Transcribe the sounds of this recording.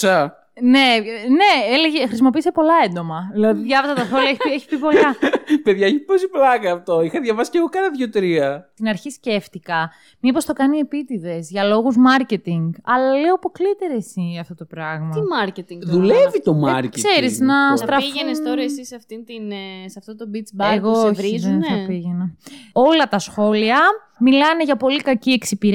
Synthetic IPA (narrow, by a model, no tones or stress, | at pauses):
sɐ | ne̞ne̞eleʝexɾisimo̞piːse̞po̞lɐend̪o̞mɐðilɐðiðʝɐvɐzɐt̪ɐθolɐeçeçi̥pipo̞lɐpeðʝɐeçiposiplɐkɐːft̪o̞ixɐðʝɐvɐsi̥ceɣokɐnɐðʝot̪ɾiɐt̪inɐɾçisce̞ft̪ikɐ | mipo̞st̪o̞kɐnie̞pit̪iðe̞zʝɐlo̞ɣuzmɐɾce̞t̪iŋɡɐlɐleoɐpo̞klit̪e̞ɾe̞siɐft̪o̞t̪o̞pɾɐɣmɐɐimɐɾcet̪iŋɡðulevit̪o̞mɐ̰ɾckseɾiznɐst̪ɾɐiʝenest̪oɾɐessisɐft̪int̪insɐft̪ot̪obit͡sbɐeɣooçvɾizonsɐpiʝenɐo̞lɐt̪ɐsxo̞liɐ | milɐne̞ʝɐpo̞likɐcie̞ksipiɾ